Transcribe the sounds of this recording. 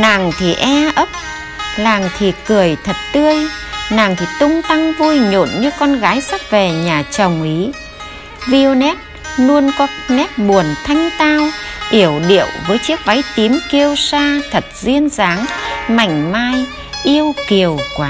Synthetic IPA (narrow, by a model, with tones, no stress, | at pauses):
na˨˩ŋt̪ʰi˨˩ʔɛ˧ʔə˦˥p̚ | laː˨˩ŋt̪ʰi˨˩kɨ˨˩əjt̪ʰə˨˩t̚t̪ɨ˧əj | na˨˩ŋt̪ʰi˨˩t̪ʊ˧ŋ͡mt̪a˧ŋvu˧jɲo̰˧˨nɲɨ˧kɔ˧nɣaː˨˦jsa˦˥k̚ve˨˩ɲaː˨˩t͡ɕə˨˩wŋ͡mʔi˨˦ | vi˧nɛ˦˥t̚ | nu˧ənkɔ˨˦nɛ˦˥t̚ɓu˨˩ənt̪ʰa˧jŋ̟t̪aː˧wʔi˧˩əwɗḭ˧˨əwvəː˨˦jt͡ɕi˦˥ək̚va˨˦jt̪i˨˦mki˧əwsaː˧t̪ʰə˨˩t̚zi˧ənzaː˨˦ŋma˨˧˩jŋ̟maː˧j | ʔi˧əwki˨˩əwkwaː˨˦